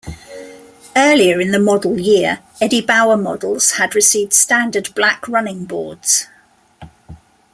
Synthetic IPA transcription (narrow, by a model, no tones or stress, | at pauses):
ɜːliəɹɪ̃nðəmɒdˡəl̩ˠjɪəɹ | ɛdibaʊəmɒdˡəl̩ˠz̥ədɹɪsiːvd̥stãndədblakʰɹʌnɪ̃ŋbɔ̰ːdz̥